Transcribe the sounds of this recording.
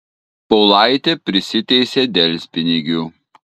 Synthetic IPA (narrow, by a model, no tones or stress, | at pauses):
pɔʊlˠɑɪt̪ʲeːpʲɾʲɪsʲɪt̪ʲɛɪsʲeːd̪ʲɛlʲsʲpʲɪnʲɪɡʲuː